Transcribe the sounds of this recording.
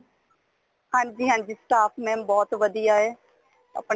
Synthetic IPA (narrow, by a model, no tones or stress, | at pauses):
hãːnd͡ʑiːɦãːnd͡ʑiːsʈaːfʰmẽːbɔːt̪ʋəd̪iaːɦeː | ə̰pɳ